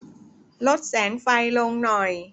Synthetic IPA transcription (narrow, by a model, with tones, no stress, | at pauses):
lo˦˥t̪̚sɛː˩˦nfa˧jlo˧ŋnɔ˨˩j